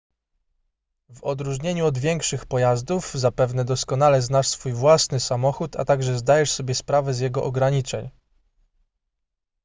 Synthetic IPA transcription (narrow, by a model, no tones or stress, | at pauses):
vɔd̪ɾuʐɲeɲuɔd̪vʲjɛŋkʂɘxpɔjazd̪uvzapɛvnɛd̪ɔskɔn̪alɛznaʂsfujvwasnɘsamɔxut̪a̰t̪aɡʐɛzd̪ajɛʂsɔbʲjɛspɾavɛzjɛɡɔʔɔɡɾaɲit͡ʂɛɲ